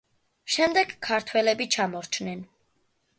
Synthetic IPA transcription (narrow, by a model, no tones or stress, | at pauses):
ʃɛmd̪ɛɡkʰːaɾt̪ʰwɛlɛbit͡ʃʰamɔɾt͡ʃʰnɛn